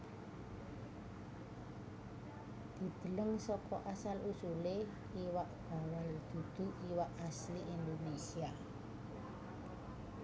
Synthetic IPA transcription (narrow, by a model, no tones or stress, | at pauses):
d̪̥i̤d̪̥ə̤ləŋsɔkɔ̰ʔasalusule | iwaʔb̥a̤wəld̪̥ṳd̪̥ṳʔiwaʔasliʔind̪onesia